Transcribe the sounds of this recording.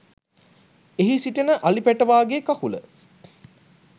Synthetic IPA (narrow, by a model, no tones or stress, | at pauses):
eɦisiʈənəʔalipæʈəʋaːɡeːkakulə̰